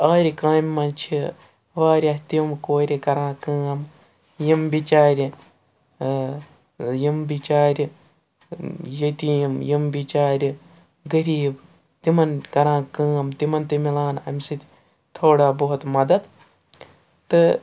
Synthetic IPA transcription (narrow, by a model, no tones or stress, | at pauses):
aːɾʲikaːmʲːɐ̃nt͡ʃʰi | ʋaːɾʲaht̪imkoːɾʲikɐɾãːkɐːɐm | jimbit͡ʃaːɾʲ | jimbit͡ʃaːɾʲ | jɐt̪iːmjimbit͡ʃaːɾʲ | ɡɐɾiːb | t̪imɐnkɐɾãːkɨːɐmt̪imɐnt̪imilaːnɐ̰mʲsɨt̪ʲ | t̪ʰoːɽaːboɦut̪mɐd̪ɐd̪ | t̪ɨ